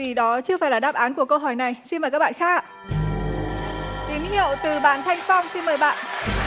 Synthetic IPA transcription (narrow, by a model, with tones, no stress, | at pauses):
i˨˩ɗɔ˨˦t͡ɕɨ˧əfaː˧˩jlaː˨˩ɗaː˦˥p̚ʔaː˨˦nku˧˩əkə˧wɦɔ˧˩jna˨˩jsi˧nməː˨˩jkaː˦˥k̚ɓ̰ːxaː˦˥k̚ː | t̪i˨˦ənhḭ˧˨əwt̪ɨ˨˩ɓaː˨˩˦nt̪ʰa˧jŋ̟fa˧wŋ͡msi˧nməː˨˩jɓa̰ː˧˨nʔ